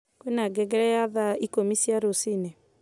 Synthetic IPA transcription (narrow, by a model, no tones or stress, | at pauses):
kwenaɡɛɡɛɾɛjaðaikomisiaɾosinɛ